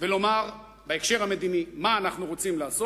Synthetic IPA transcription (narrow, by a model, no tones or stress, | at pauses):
velo̞maʁ | baekʃe̞ʁhame̞d̪inimaːnaχnuʁo̞t͡simlaːso